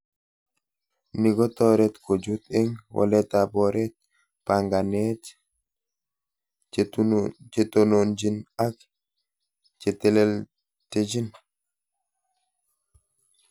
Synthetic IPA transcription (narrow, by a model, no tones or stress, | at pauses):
niɡɔt̪ɔɾɛt̪kod͡ʒut̪ɛŋwʔɔ̰lɛt̪abɔɾɛt̪̚ | paŋɡanɛt | t͡ʃet̪onond͡ʒinak | t͡ʃɛt̪ɛlɛl | ted͡ʒin